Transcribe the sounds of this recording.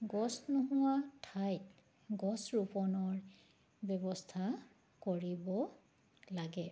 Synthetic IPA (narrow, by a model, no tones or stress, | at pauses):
ɡɔsnʊɦʊwatʰajt | ɡɔsɹupɔnɔɹ | bjɔbɔstʰa | koɹibɔ | laɡɛ